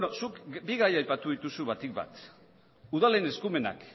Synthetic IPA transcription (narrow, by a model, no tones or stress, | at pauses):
nosukbiɣajajpat̪uðit̪usuβat̪ik̚ba̰t̪ | uðalene̞skume̞na̰k